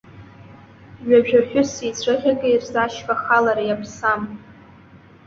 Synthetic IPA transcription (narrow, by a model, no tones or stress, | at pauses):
ɥaʒᶣaħᶣʊsit͡sʷʰɨʁʲakʼeirzaʃfaχalaɾajapʰsam